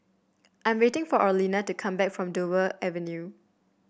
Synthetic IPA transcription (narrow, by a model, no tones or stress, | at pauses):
ʔãj̃mwetɪ̃ŋfɔʔalinatukʰãmbɛkfɹɔ̃mdovəʔɛvɛ̃nju